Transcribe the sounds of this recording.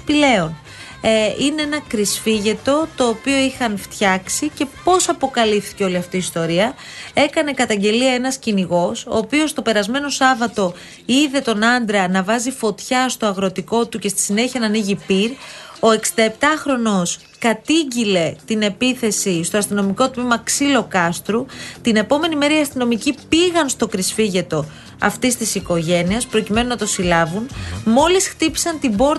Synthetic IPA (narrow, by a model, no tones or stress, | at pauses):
pile̞o̞n | ine̞e̞nɐkɾisfiʝe̞t̪o̞t̪o̞ːpio̞ixɐnft̪çɐksice̞po̞sɐpo̞kɐlifθi̥ceo̞liɐft̪iːst̪o̞ɾiɐ | e̞kɐne̞kɐt̪ɐɲɟe̞liɐe̞nɐsciniɣo̞so̰ːpio̞st̪o̞pe̞ɾɐzme̞no̞sɐvɐt̪o̞ | iðe̞t̪o̞nɐnd̪ɾɐnɐvɐzifo̞t̪çɐst̪o̞ɐɣɾo̞t̪iko̞t̪uce̞st̪i̥sine̞çiɐnɐniʝipiɾo̞e̞ksind̪ɐept̪ɐxɾo̞no̞s | kɐt̪iɟile̞t̪ine̞piθe̞sist̪o̞ɐst̪ino̞miko̞t̪mimɐksilo̞kɐst̪ɾut̪ine̞po̞me̞nime̞ɾɐiɐst̪ino̞micipiɣɐnst̪o̞kɾisfiʝe̞t̪o̞ | ɐ̰ft̪ist̪isiko̞ʝe̞niɐspɾo̞cime̞nunɐt̪o̞silɐvunmo̞lisxt̪ipi̥sɐnt̪ibo̞ɾt̪